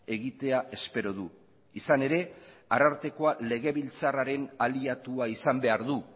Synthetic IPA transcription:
e̞ɣit̪eaʔe̞spe̞ɾo̞ðu | isane̞ɾe̞aɾaɾt̪e̞ko̞ale̞ɣ̞e̞βilt͡saraɾe̞naliat̪uaisambe̞aɾðu

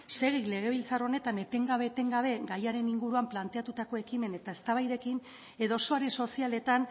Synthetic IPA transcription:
se̞ɣile̞ɣ̞e̞β̞ilt͡saro̞ne̞t̪ane̞t̪e̞ŋɡaβe̞t̪e̞ŋɡaβ̞e̞ɡajaɾe̞niŋɡuɾuamplant̪e̞at̪ut̪ako̞e̞kime̞ne̞t̪ae̞st̪aβajðe̞kin | e̞ðosoaɾeso̞siale̞t̪an

